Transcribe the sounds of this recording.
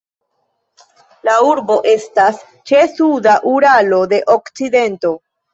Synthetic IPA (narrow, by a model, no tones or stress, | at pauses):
lauɾbo̞ʔe̞stas | t͡ʃe̞sudaʔuɾalo̞de̞ʔo̞kt͡side̞nto̞